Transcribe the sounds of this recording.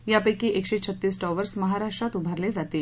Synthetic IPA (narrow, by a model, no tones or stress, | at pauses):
japəjkiʔekɕet͡ɕʰət̪ːiːsʈɔʋəɾsməɦaɾaʂʈɾat̪ubʱəɾled͡zat̪e